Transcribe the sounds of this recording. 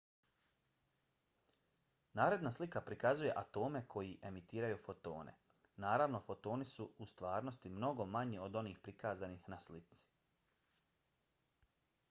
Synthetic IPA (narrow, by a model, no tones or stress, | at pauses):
naːɾe̞d̪naslikapɾikazuje̞ʔat̪o̞ːme̞kʰo̞jiʔe̞mit̪iːɾajufo̞t̪o̞̰ːnʔe̞̰ | naːɾaʋno̞fo̞t̪o̞ːnisuust̪ʋaːɾno̞st̪imno̞ɡo̞maɲio̞d̪o̞niːxpɾikaːzanixnaslit̪si̥